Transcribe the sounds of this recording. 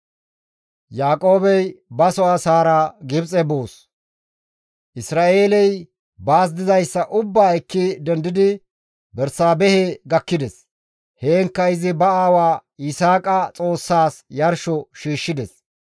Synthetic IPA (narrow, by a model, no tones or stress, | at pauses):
jaːkʼo̞ːbɛjbɐsɔasaːɾɐɡɪbt͡sʼɛboːs | ʔɪsɾaːe̞ːlɛj | baːs̬d̪ɪzɐjsːɐʔʊbːaːjkːɪd̪ɛnd̪ɪd̪ɪ | bɛɾsaːbɛhɛɡɐkːɪd̪ɛs | heːŋkːɐɪzɪbɐaːwaːɪsaːkʼɐt͡sʼo̞ːsːaːsjɐɾʃɔʃiːʃːɪd̪ɛs